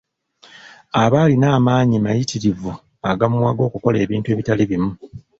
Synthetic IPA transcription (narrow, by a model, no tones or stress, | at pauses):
aβaːlinaːmaːɲimajitiɾivu | aɡamumwaɡo̞ːkuko̞le̞ːβiːntue̞ːβitaliβimu